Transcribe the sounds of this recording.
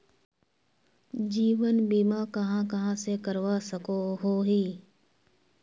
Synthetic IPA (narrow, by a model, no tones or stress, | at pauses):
d͡ʒiːʋənbiːmãːkɐɦãːkɐɦãːsekəɾʋasəkoɦoːɦiː